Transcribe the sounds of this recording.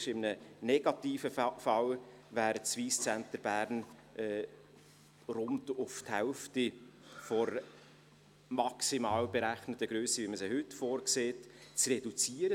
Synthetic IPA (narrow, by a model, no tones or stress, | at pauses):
ʃɪmənənɛɡɑtiːfəfɑl | væːɾt͡sviːst͡sɛntəɾbæːɾn | ɛː | rʊntʊfthɛʊftifɔɾ | mɑksimɑːlbeɾæχnətːəɡ̥ɾøːsəviməsɪhʏtfoːɾkseːtt͡srɛdut͡siːəɾə